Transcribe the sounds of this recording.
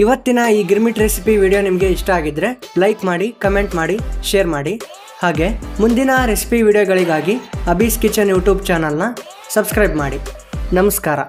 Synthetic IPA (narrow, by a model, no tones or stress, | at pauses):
iʋɐt̪ːinɐiːɡiɾmiʈɾesipiʋiːɽijonimɐɡe̞iʂʈɐaːɡid̪ɾe̞lɐjkmaːɽikɐme̞ɳʈmaːɽiʃeːɾmaːɽi | haːɡe̞mund̪inɐɾesi̥piʋiːɽijoɡɐɭiɡaːɡiɐbiskit͡ʃːɐnjuːʈjuːbt͡ʃaːnɐlnɐ | sɐbskɾɐjbmaːɽi | nɐmɐskaːɾɐ̰